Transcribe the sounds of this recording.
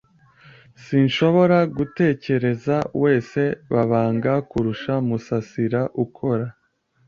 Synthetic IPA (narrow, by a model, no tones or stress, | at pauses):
siːnʃo̞βo̞ɾaɡute̞ːce̞ɾe̞zawe̞ːse̞βaβaːŋɡakuɾuʃamusasiɾaʔukʰo̞ɾa